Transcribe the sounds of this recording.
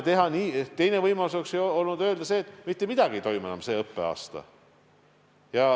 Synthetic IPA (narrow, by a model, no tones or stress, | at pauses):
t̪e̞ɦɑniːt̪e̞jnevɤjmɑlusoksejo̞lnud̪ø̞ːld̪ɑse̞ːt̪ːˑmit̪ːe̞mid̪̥ɑɡiejt̪o̞jmuenɑ̰mse̞ːɤpːe̞̰ɑ̰ːst̪ɑ̰ | jɑ